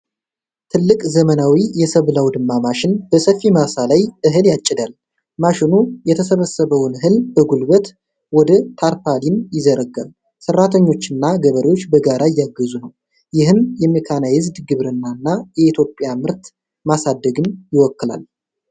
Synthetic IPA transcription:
t̪ʰɨlːɨkʼzəmənawijɛsəβlawd̪ɨmːamaʃɪnbəsəfːimasalajʔɨɦɨljat͡ʃʼːɪd̪al | maʃɪnujɛt̪ʰəsəβəsːəβəwnɦɨlbəɡulbət̪ | wɔd̪ət̪ʰaɾpʰalinjɪzəɾəɡa̰β | sərːat̪ʰəɲːo̞t͡ʃːɨnːaɡəβəɾewo̞t͡ʃːbəɡaɾʔajaɡːəzunəw | jɪɦɨmjɛmikʰanajɪzd̪ɡɨβɾɨnːanːajɛit̪ʰjo̞pʼːɪjamɨɾt̪ | masad̪ːəɡɨnjɪwɔkːɨla̰l

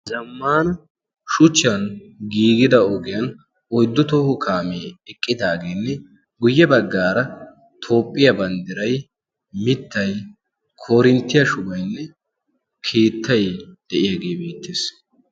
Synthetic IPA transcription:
zɐmːaːnɐ | ʃʊt͡ʃːɐn | ɡiːɡɪd̪ɐɔɡɪjɐn | ɔjd̪ːʊt̪oːhʊkʰaːmeːɛkʼːɪd̪aːɡeːnːɛ | ɡʊjːɛbɐɡːaːɾɐ | t̪ʰo̞ːpʼːɪjɐbɐnd̪ɪɾɐj | mɪt̪ʰːɐj | kʰo̞ːɾɪnt̪ːɪjɐʃʊbɐjnːɛ | kʰeːt̪ːɐjd̪̥ɛʔɪjaːɡeːbeːt̪ːeːs

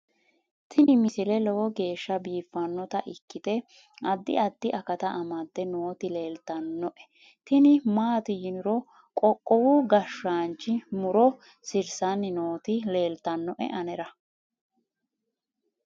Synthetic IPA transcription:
t̪ʰɪnɪmɪsɪlɛlɔwɔɡe̞ːʃːɐbiːfːɐnːɔt̪ɐʔɪkːɪt̪ɛ | ɐd̪ːɪ̰ɐd̪ːɪʔɐkɐt̪ɐʔɐmɐt̪ːɛnoːt̪ɪle̞ːlt̪ɐnːɔʔɛ̥ | t̪ɪnɪmaːt̪ɪjɪnʊɾɔ | kʼɔkʼːɔwuɡɐʃːaːnt͡ʃːɪmʊɾɔ | sɪɾsɐnːɪnoːt̪ɪle̞ːlt̪ɐnːɔʔɛ̰ʔɐnɛɾɐ

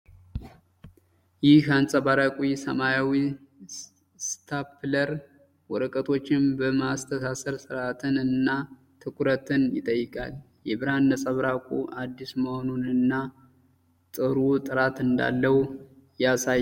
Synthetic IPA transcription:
jɪhansʼəβaɾakʼwisəmajawi | st̪ʰapʰləɾ | wɔɾəkʼət̪ʰo̞t͡ʃːɪmbəmast̪ʰəsasəɾsɨɾat̪ʰɨnɨnːa | t̪ʰɨkʰʷuɾət̪ʰɨnjɪ̰t̪ʼəjːɪkʼa̰l | jɛβɨɾanːəsʼəβɾakʼuʔad̪ːisməho̞nunɨnːa | t̪ʼɨɾut̪ʼɨɾat̪ɨnd̪a̰lːəwjasaj

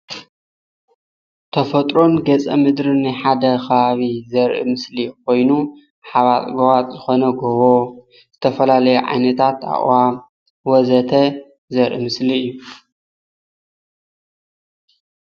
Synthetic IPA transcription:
t̪ʰɐfɐt̪ʼɾo̞nɡɐt͡sʼɐ̰mɨd̪ɾɨnɨħad̪ɐxɐβaβizɐɾʔḭmɨslikʰo̞jnu | ħaβat̪ʼɡowat͡s̪ʼzɨxo̞nɐɡoβo | z̥ɨt̪ʰɐfɐlalɐjuʕa̰jnɐt̪ʰat̪a̰ʔʼwam | wɔzɐt̪ʰɐ | zɐɾʔḭmɨsliɨjːu

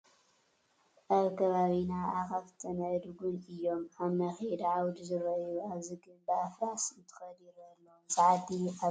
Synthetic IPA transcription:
aβkʰɐβaβinaaxaβt̪ʰɐnɐd̪ɡunɨjːo̞maβmɐxed̪ʕawd̪zɨɾɐjuaβziɡɨnbɨafɾasɨnt̪ʰɨ̥xɐd̪iɾɐlːosʼaʕat̪ia

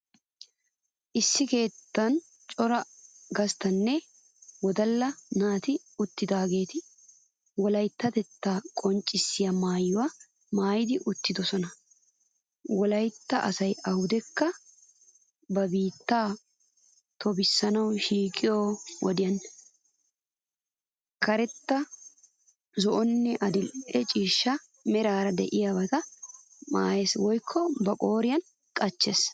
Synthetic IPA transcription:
ʔɪsːɪke̞ːt̪ːɐn | t͡ʃʼɔɾɐɡɐst̪ɐnːɛ | wɔd̪ɐlːɐnaːt̪ɪ | ʊt̪ːɪd̪aːɡe̞ːt̪ɪ | wɔlɐjt̪ːɐt̪ɛt̪ːaːkʼɔnt͡ʃʼːɪsːɪjamaːjːʊwaː | maːjɪd̪ɪʔʊt̪ːɪd̪ɔsɔnɐ | wɔlɐjt̪ːɐʔɐsɐjʔɐhʊd̪ɛkːɐ | bɐbiːt̪ːaː | t̪ʰɔbɪsːɐnɐwʃiːkʼɪjoːwɔd̪ɪjɐn | kʰɐɾɛt̪ːɐ | zɔʔɔnːɛʔɐd̪ɪlʔɛt͡ʃʼiːʃːɐ | mɛɾaːɾɐd̪ɛ̰ʔɪjɐbɐt̪ɐ | ma̰ːjeswɔjkʰːɔbɐkʼoːɾɪjɐn | kʼɐt͡ʃːes

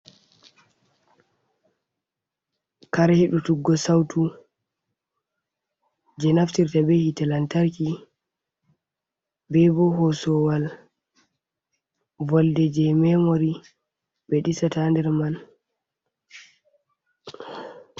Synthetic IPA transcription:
kaɾahiɗutuɡːɔsawtu | d͡ʒɛnaftiɾtabɛhitalantaɾki | bɛbɔɦɔsɔwal | vɔldɛd͡ʒɛmɛmoɾi | bɛɗisatandɛɾman

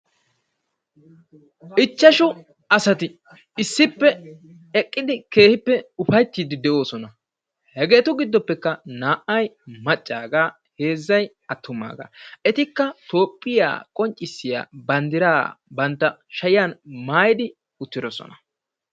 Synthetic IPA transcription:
ɪt͡ʃːɐʃʊ | ɐsɐt̪ɪ | ɪsːɪpːɛ | ɛkʼːɪd̪ɪke̞ːhɪpːɛʊfɐjt̪ːiːd̪ɪd̪ɛʔo̞ːsɔnɐ | hɛɡe̞ːt̪ʊɡɪd̪ːɔpːɛkːɐnaːʔɐjmɐt͡ʃʼːaːɡaː | he̞ːzːɐj | ɐt̪ʰːʊmːa̰ːɡa̰ːɛt̪ɪkːɐt̪o̞ːpʼːɪja̰ːkʼɔnt͡ʃʼːɪsːɪja̰ːbɐnd̪ɪɾaːbɐnt̪ːɐʃɐjɪjaːnmaːjɪd̪ɪ | ʊt̪ːɪd̪ɔsɔ̰nɐ

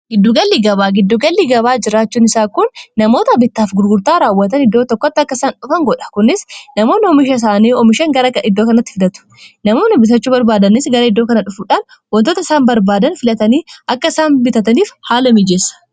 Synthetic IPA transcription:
ɡɪd̪ːuːɡɐlːiːɡɐβaːɡɪd̪ːuːɡɐlːiːɡɐβaːd͡ʒɪɾaːt͡ʃːuːnɪsaːkʊnːɐmo̞ːt̪ɐbɪt̪ːaːfɡʊɾɡʊɾt̪aːɾaːwːɐt̪ɐnɪd̪ːo̞ːt̪ɔkːɔɐt̪ːɐkːɐsaːnᶑʊfɐŋɡɔᶑɐ̥kʊnːɪsnɐmo̞ːnɪɔmɪʃɐs̬aːniːɔmɪʃɐŋɡɐɾɐkɐɪd̪ːoːkɐnɐt̪ːɪ̥fɪd̪ɐt̪ʊ̥nɐmo̞ːnɪbɪt̪̬ɐt͡ʃːuːbɐɾbaːd̪ɐnɪsɡɐɾɐɪd̪ːoːkɐnɐᶑʊfuːᶑaːn | wɐnt̪oːt̪ɐɪsaːnbɐɾbaːd̪ɐnfɪlɐt̪ɐniːʔɐkːɐɪsaːnbɪt̪ɐt̪ɐniːfhaːlɐmɪd͡ʒeːsɐ̥

